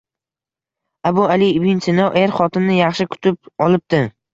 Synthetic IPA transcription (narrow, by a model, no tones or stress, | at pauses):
abʊalɪbɪnsɪnɒwʔeɾχɒt̪ʰɪnnɪjɑχʃɪkʰʊ̥t̪ʰɪp̚ɒlˠɪp̚t̪ɪ